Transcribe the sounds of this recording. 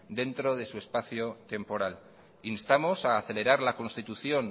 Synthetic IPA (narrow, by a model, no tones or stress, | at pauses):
d̪e̞nt̪ɾo̞ð̞e̞sue̞spaθjot̪e̞mpo̞ɾal | inst̪amo̞saːθe̞le̞ɾaɾlako̞nst̪it̪uθjo̞n